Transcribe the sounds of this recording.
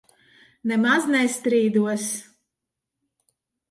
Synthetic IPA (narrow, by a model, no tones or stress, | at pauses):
nɛmaznɛst̪ɾiːd̪uɔs